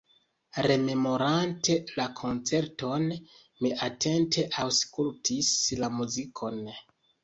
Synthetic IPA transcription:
ɾe̞me̞mo̞ɾante̞lakʰo̞nt͡se̞ɾto̞n | miʔatʰe̞ntʰe̞ʔawskultʰislamuzikʰo̞n

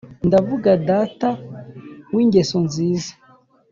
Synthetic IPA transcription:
ndavuɡadata | wiːɲɟe̞sonziːza

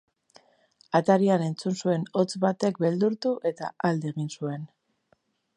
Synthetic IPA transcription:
at̪aɾiane̞nt͡sunsue̞no̞t͡sβat̪e̞k̚be̞ld̪uɾt̪uʔe̞t̪a̰ald̪eeɣ̞insue̞n

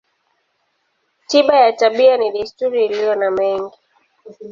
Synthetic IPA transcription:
tiɓajataɓianiɗistuɾiːlijɔnamɛŋɡi

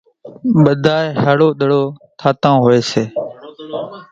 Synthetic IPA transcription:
ɓəd̪ʱaːehaːɽoːɗ̪əɽoːt̪ʰaːt̪ãːɦoːeːseː

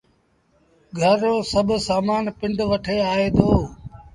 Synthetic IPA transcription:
ɡʱəɾoːsəbʱsaːmaːnpɪɳɖʋəʈʰeːaːɦeːd̪oː

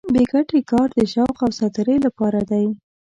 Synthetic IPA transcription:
beɡaʈekɑɾd̪əʃɑwqawsat̪əɾəjlapɑɾad̪aj

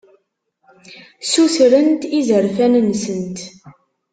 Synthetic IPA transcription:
susɾənt̪izəɾfænnsənt̪

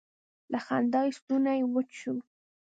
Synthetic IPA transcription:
laxand̪ɑjst̪unajwət͡ʃu

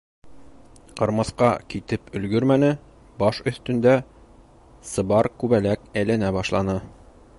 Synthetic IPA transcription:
qɒɾmɑθqɑkit̪ɘpɵ̆lɡɵɾmænɘ | bɒʃɵ̆θt̪ɵ̆nd̪æ | sɤ̆bɑɾkʉβælækælænæbɒʃlˠɑnɤ

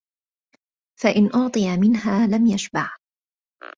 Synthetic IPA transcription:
faʔɪnʔɑʕt̪ˤɨjamɪnɦaːlamjaʃbɑʕ

